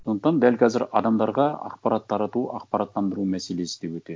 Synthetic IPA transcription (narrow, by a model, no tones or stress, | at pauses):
so̞nd̪əqt̪ɑnd̪ælkʲʰɑzɪɾɑ̰d̪ɑmd̪ɑɾʁɑɑ̰qpɑɾɑt̪ʰːɑɾɑt̪uɑqpɑɾɑt̪ːɑnd̪əɾumæse̞le̞sɪ̥d̪e̞wɵt̪e